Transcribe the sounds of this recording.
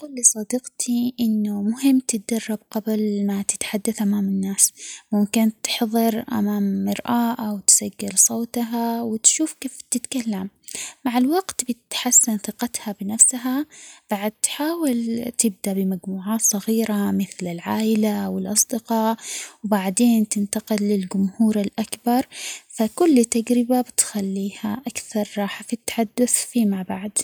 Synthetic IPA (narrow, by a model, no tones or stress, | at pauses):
quːlːisˤɑd̪ɪqt̪ʰiʔɪnːʊmʊɦɪmːt̪ɪt̪̚d̪ɑrˤːɑb̚qablmat̪ɪ̥t̪ħad̪ːaθʔamaːmɪnːaːsmʊmkɪnt̪ɪ̥ħðˤɨɾʔa̰maːmːɪɾʔaːʔawt̪saɡːɪlsˤoːt̪ɦawɪt̪ʃuːfkeːft̪ɪt̪kalːamː | aʕalwaɡt̪bɪt̪ħasːɪnθɪqɑt̪habɪnafsɦab̥aʕad̪̚t̪ħaːwɪlt̪ɪb̚d̪aʔbɪmaɡmuːʕaːt̪sˤɑɣiːɾamɪθlɪlʕaːʔɪlawɪlʔɑsˤd̪ɪqɑːʔwbaʕd̪eːnt̪ɪnt̪ɑqɪlːɪld͡ʒʊmhuːɾalʔakbɑɾˤfakʊlːt̪ːaɡɾɪbabɪt̪xalːiːhaʔakθɑɾˤːɑːħfit̪ːḁħad̪ːʊθfimaʕbaʕd̪